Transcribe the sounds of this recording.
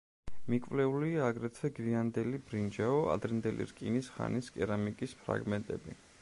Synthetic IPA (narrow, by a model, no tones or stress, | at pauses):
mikʼvlɛuliaːɡɾɛt̪ʰvɛɡɾiand̪ɛlibɾind͡ʒaɔa̰d̪ɾɛnd̪ɛlḭɾkʼinisχa̰niskʼɛɾamikʼispʰɾa̰ɡmɛnt̪ʼɛbi